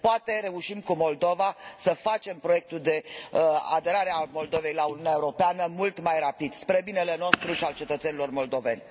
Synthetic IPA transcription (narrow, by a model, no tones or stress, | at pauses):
poat̪e̞ɾe̞uʃimkumo̞ld̪o̞vasəfat͡ʃe̞mpɾo̞jek̚t̪uld̪e̞ | a̰d̪e̞ɾaɾeamo̞ld̪o̞ve̞jlauniuneaeuɾo̞peanəmult̪majrapid̪spɾe̞bine̞le̞no̞st̪ɾuʃialt͡ʃe̞t̪ət̪senilo̞rmo̞ld̪o̞ve̞nʲ